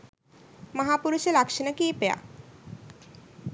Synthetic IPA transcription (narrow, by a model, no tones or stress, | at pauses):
maɦapuɾuʃeɾakʃinakiːpea̰